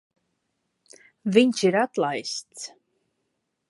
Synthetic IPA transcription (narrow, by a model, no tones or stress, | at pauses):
viɲʲt͡ʃiɾat̪lˠajst̪s